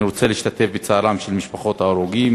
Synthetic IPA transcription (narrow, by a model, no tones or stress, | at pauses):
iʁot͡seliːʃt̪at̪e̞fbet͡saːlamʃelmiʃpaχo̞t̪haoʁoɡim